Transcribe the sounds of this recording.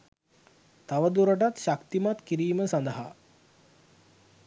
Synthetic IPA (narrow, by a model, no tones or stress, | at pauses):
t̪aʋəd̪uɾəʈat̪ʃakt̪imat̪kiɾiːməsand̪əɦa̰